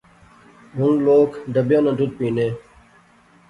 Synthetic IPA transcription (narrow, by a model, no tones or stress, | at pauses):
ɦʊŋloːkɖ̪əbjõːnãd̪ʱʊt̪̚piːneː